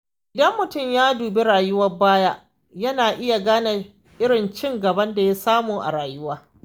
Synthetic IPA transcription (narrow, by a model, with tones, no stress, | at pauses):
ʔɪ˨dɐ˦mːʊ˨tʊ˦˨mjaː˦duː˨be˦ɽaː˨jʊ˦wɐ˦baː˦jaː˦ | jɐ˦naː˨ʔɪ˦ja˨ɡaː˦na˨ | ʔɪ˦ɽɪ˨nt͡ʃɪ˦ŋɡɐ˨bɐ˦nda˨ja˦saː˦muː˨ʔa̰˨ɽaː˨jʊ˦waː˦